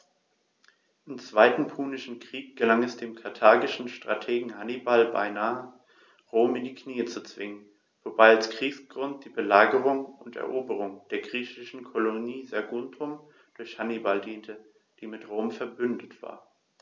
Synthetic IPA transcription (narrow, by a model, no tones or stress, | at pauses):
ʔɪmt͡sv̥aɪtn̩pʰuːnɪʃn̩kʁ̥iːk̚ɡ̥əlaŋɛsd̥eːmkʰaɐtʰaːɡɪʃn̩ʃtʁ̥a̰tʰeːɡŋ̩hanibalba̰ɪnaːə | ʁoːmɪndiːkniːət͡sut͡sv̥ɪŋən | v̥obaɪalskʁ̥iːksɡ̥ʁʊnt̚d̥iːbəlaːɡəʁʊŋʊntɛ̰ɐʔoːbəʁ̞ʊŋd̥eːɐɡʁiːçɪʃn̩kʰoloniːzaɐɡʊntʰʊm | d̥ʊɐçhanibaldiːntʰə | d̥iːmɪtʁoːmfɛɐbʏndətv̥a̰ːɐ